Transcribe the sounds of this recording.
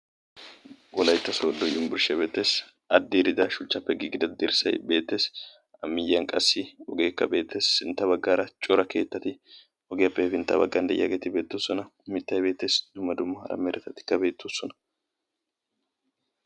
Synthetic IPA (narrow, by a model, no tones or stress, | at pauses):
ɡɔlɐjt̪ːɐsoːd̪ːɔjʊmbʊɾʃɛbe̞ːt̪ːe̞ːs | ɐd̪ːiɾɪd̪ɐʃʊt͡ʃːɐpːɛɡiɡɪd̪ɐd̪ɪɾsɐ̰jbe̞ːt̪ːe̞ːs | ɐmːɪjːɐŋkʼɐsːɪɔɡe̞ːkːɐ̰be̞ːt̪ʰːe̞ːsːɪnt̪ːɐbɐɡːaːɾɐt͡ʃʼɔɾɐke̞ːt̪ːɐt̪ɪ | ɔɡejɐpːɛɛfɪnt̪ːɐ̰bɐ̰ɡːɐnd̪ɐ̰j̰ʔɐɡet̪ɪbe̞ːt̪ːuːsɔnɐmɪt̪ːɐjbe̞ːt̪ːe̞ːsd̪̥ʊmːɐd̪ʊmːɐhɐ̰ɾɐ̰meːɾʔɛt̪ɐt̪ɪ̥kːɐbe̞ːt̪ːusːɔnɐ̥